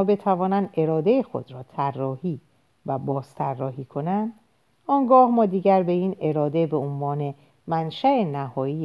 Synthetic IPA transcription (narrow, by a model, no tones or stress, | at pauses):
be̞t̪ʰævɒːnænd̪e̞ɾɒːd̪e̞jexo̞̰d̪ɾɒːt̪ʰærːɒːhiː | væbɒːst̪ʰærːɒːhiːkʰo̞nænd̪ | ɒːŋɡɒːhmɒːd̪iːɟæɾbe̞iːne̞ɾɒːd̪e̞be̞onvɒːne̞ | mænʃæʔenæhɒːiː